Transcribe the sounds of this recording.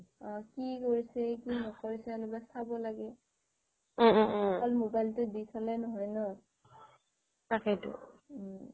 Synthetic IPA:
ɔkikoɹisɛkinɔkoɹisɛalɔbasabɔlaɡɛ | ɔlmobajltʊdisʰalɛnɔɦɔjnɔ | takɛtʊ̰

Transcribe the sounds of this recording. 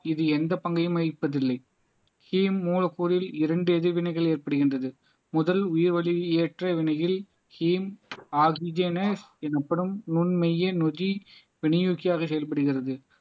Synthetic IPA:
ɪðɯɛnd̪ɐpɐŋɡɐjɯmɐɪpːɐðɪlːɐɪ | hiːmːuːlɐkːuːɾɪlɪɾɐɳɖɯɛðɪʋɪnɐɪɣɐɭeːrpɐɽɯɣɪndrɐðɯ | mʊðɐlʊjɪɾʋɐɭieːʈrɐʋɪnɐjɪl | hiːmaːɣid͡ʒeːnɐsɛnɐpːɐɽɯmnʊnmɐjɐnɔði | ʋɪɳɪjuːkɪjaːɣɐsɛjɐlpɐɽɯɣɪrɐðɯ

